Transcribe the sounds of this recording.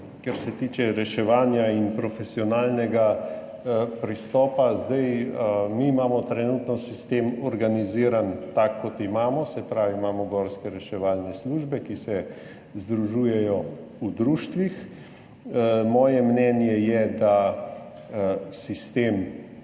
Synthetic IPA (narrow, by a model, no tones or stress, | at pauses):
kɛɾsɛt̪iːt͡ʃɛɾɛʃɛʋaːnjainpɾɔfɛsiɔnaːlnɛɡa | pɾist̪ɔːpazd̪ɛjmiːmaːmɔt̪ɾɛnuːt̪nɔsist̪eːmɔɾɡaniziːɾant̪akːɔt̪imaːmɔsɛpɾaːʋiːmaːmɔɡɔːɾskɛɾɛʃɛʋaːlnɛsluːʒbɛkisɛ | zd̪ɾuʒuːjɛjɔud̪ɾuːʃt̪ʋix | mɔːjɛmnɛnjɛjɛd̪a | sist̪eːm